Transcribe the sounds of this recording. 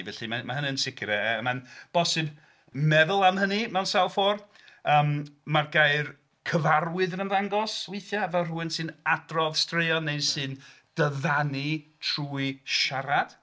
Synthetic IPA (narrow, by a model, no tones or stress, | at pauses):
vɛɬimamaɦəniənsɪkʰɾɛmanb̥ɔsɨb | mɛðʊlˠamhənimansalˠfɔːr | əːmmarɡajr | kʰəvarwɨðənəmðaŋɡɔswejθjavɛlˠruɨnsɨnadrɔðstrejɔnːejsɨn | d̥əðanitʰruːjɨʃaɾad̥